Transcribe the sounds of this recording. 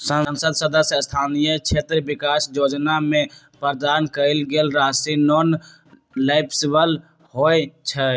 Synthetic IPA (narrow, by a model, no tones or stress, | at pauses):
sənnsəd̪səd̪əsəst̪ʰaːnijəkt͡ʃʰeːt̪ɾbɪkaːsjoːd͡ʒnamẽ | pəɾd̪aːnkəɪlɡelɾaːsinɔːn | laɪpʰsɪbəl | hoːet͡ʃʰə